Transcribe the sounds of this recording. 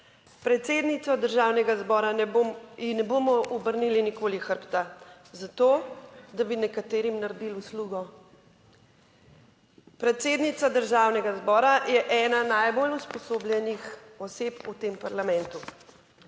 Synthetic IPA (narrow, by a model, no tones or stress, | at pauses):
pɾɛt̪seːd̪nit̪sɔd̪əɾʒawnɛɡazbɔːɾainɛboːmɔʔɔbəɾnilinikoːlixəɾpt̪a | zat̪oːd̪abinɛkat̪eːɾimnaɾd̪ilusluɡɔ | pɾɛt̪seːd̪nit̪sad̪əɾʒaːwnɛɡazbɔːɾajɛʔɛːnanajboluspɔsoːblʲjɛnixɔseput̪empaɾlamɛ̃nt̪u